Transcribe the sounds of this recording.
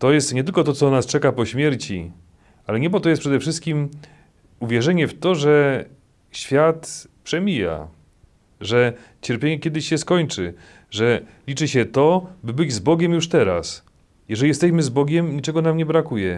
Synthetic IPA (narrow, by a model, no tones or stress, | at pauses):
t̪ɔjɛst̪ɲɛt̪ɘlkɔt̪ɔt̪ɔnast͡ʂɛkapɔɕmʲjɛɾt͡ɕḭ | alɛɲɛbɔt̪ɔjɛspʂɛd̪ɛfʂɘst̪̚kʲim | uvʲjɛʐɛɲɛft̪ɔʐɛ | ɕfʲjat̪pʂɛmʲija̰ | ʐɛ | t͡ɕɛɾpʲjeɲɛkʲɛd̪ɘɕɕɛskɔɲt͡ʂɘ | ʐɛlʲit͡ʂɘɕɛt̪ɔbɘbɘd͡ʑzbɔɡʲɛmjuʂt̪ɛɾa̰s | jɛʐɛlʲijɛst̪ɛɕmɘzbɔɡʲɛmɲit͡ʂɛɡɔnamɲɛbɾakujɛ